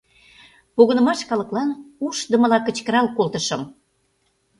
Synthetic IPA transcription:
poɣə̆nə̆mɑʃkɑlə̆klɑnuʃd̪ə̆mə̆lɑkə̆t͡ɕkəɾɑlkolt̪ə̆ʃəm

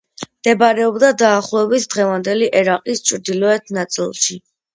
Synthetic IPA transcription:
md̪̥ɛbaɾɛɔbd̪ad̪aːχlˠɔɛbisʰd̪ʁɛvand̪ɛliʔɛɾaqʼist͡ʃʰʼɾd̪ilɔɛt̪ʰnat̪sʼḭlˠʃi

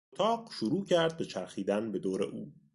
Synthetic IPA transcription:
ot̪ʰɒːɢʃuɾuːcʰæɾd̪̚be̞t͡ʃʰæɾxiːd̪ænbe̞d̪oːɾḛʔuː

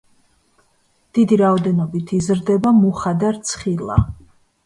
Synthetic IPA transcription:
d̪̥id̪iɾaɔd̪ɛnɔbit̪ʰizɾd̪ɛbamuχad̪aɾt̪sʰχilˠa̰

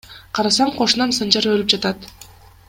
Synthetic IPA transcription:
qʰɑɾɑsɑɴqʰo̞ʃunɑnsɯnd͡ʒɑɾølyp̚d͡ʒɑt̪ɑt̪

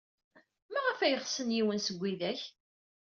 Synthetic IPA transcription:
mæʁəfæjəχsənjiwənsəɡʷːiðæç

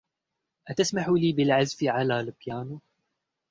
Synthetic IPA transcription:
ʔat̪asmaħuliːbɪlʕazfɪʕalaːlɪbjaːnu

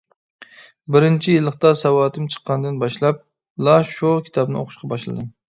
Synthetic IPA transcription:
bɪɾɪnt͡ʃʰijɪlˠːəχt̪ɑsɑwɑːt̪ʰɨmt͡ʃʰə̥qːɑnd̪ɨnbɑʃlˠɑp̚ | lˠɑʃokʲʰi̥t̪ʰɑpnɨ̰oqʰʊ̥ʃqʰɑbɑʃlˠɨ̰d̪ɨ

